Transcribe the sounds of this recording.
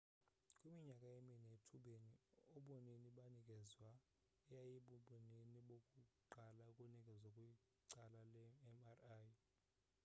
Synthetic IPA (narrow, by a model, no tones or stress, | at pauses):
kʼwimiɲakʼaeminetʰuɓeniɔɓɔneniɓanikʼɛzwa | ɛjajiɓuɓɔneniɓokʼuǃalakʼunikʼɛzwakʼwi | ǀalalɛmaraj